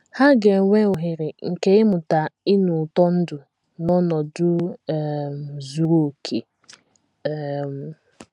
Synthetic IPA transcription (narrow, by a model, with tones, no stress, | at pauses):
ha˦ɡe˨ŋʷe˦ʊ˨ɦɪ˨ɾɪ˨ŋ̩˨ke˦ɪ˦mʊ˨ta˨ɪ˦nʊ˨tɔ˦n̩˦dʊ˨ | nɔ˦nɔ˨dʊ˦˨ | m˨zu˨ɾo˨kʰe˨ | m̩˨